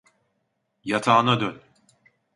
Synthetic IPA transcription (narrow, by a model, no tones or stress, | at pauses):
jat̪ʰaːnad̪øn